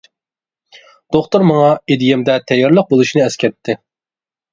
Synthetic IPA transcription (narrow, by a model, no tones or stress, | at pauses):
d̪̥oχt̪uɾmɑŋɑed̪ɪjɛmd̪ɛt̪ʰɛjːɑɾlˠəq̚bolˠuʃinɨɛskʲɛt̪ʰːɪ